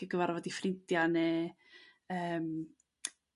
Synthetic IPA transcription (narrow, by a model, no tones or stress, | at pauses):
əɡəvaɾvɔdifrɪntjanɛ | əːm